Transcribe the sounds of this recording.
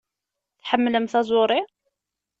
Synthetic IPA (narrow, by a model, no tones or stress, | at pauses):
θħamːləmθæzˤʊɾˤi